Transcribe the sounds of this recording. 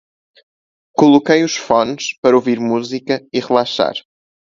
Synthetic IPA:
kulˠukɐjuʃfɔ̃nʃpɐɾɐoviɾmuzikɐiʁɨlˠaʃa̰ɾ

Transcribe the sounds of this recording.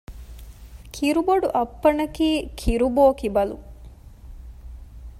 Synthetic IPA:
kʰiɾuboɖuʔɐpːɐnɐkiːkʰiɾuboːkibɐlṵ

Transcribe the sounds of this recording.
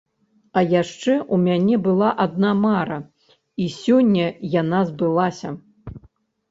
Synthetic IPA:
ɐjaʂt͡ʂɛʔumʲanʲɛbɨlˠaʔad̪̚namaɾɐ | isʲɔnʲːɐjanazbɨlˠasʲɐ

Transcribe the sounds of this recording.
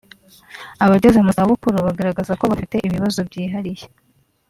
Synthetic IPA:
aβaɟozemuzaβukuɾuβaɡaɾaɡezako̞βafite̞ʔiβiβazobɟiːɦaɾije

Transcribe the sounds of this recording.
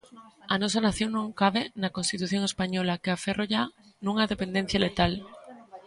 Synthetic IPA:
anos̬anaθjoŋnõŋkaβenako̞nst̪it̪uθjo̞ŋespaɲolakeaferoʎa | nũŋaðepe̞nd̪en̟θjalet̪al

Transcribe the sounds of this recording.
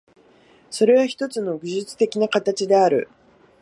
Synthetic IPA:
so̞ɾe̞βaçi̥t̪o̞t͡sɨno̞ɡɯʑɨt͡sɨ̥t̪e̞kʲinakat̪at͡ɕid̪e̞aɾɯ̟̰

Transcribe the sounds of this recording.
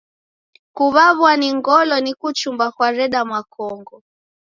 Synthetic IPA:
kuβaβwaniŋɡɔlɔnikut͡ʃumbakwaɾɛɗamwakɔŋɡɔ

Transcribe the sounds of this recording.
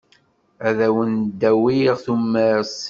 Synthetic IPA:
æðæwənd̪ːæwiʁθumːəs

